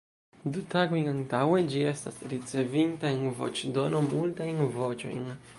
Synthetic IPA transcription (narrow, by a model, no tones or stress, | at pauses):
dutaɡo̞jnantawe̞d͡ʒie̞sta̰sɾit͡se̞vintaenvo̞̰t͡ʃdono̞multajnvot͡ʃo̰jn